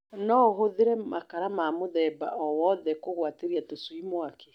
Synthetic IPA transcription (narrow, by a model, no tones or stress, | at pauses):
nɔɦoðeɾɛmakaɾamaːmoðɛːbaɔwɔðɛkoɣwateɾiatoswimwakɛ̥